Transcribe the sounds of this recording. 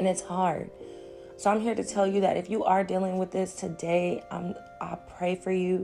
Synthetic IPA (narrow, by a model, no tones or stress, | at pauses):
ɨ̃nɨtshɑɹd̥̚ | soʊãɪ̃mɦiɹɾɨtʰɛlˠjɨðɨ̰ɾʔɨfjɨʔə˞dilˠɪ̃ŋwɨðɪstʰɨdeɪʌ̰̃m | ʔaɪpʰɹ̥eɪfə˞jʉ